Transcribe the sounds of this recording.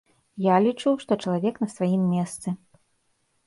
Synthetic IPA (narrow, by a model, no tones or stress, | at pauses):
jalʲit͡ʂuwʂt̪ɔt͡ʂɐlˠavʲɛknɐsvajimːʲɛst̪sɨ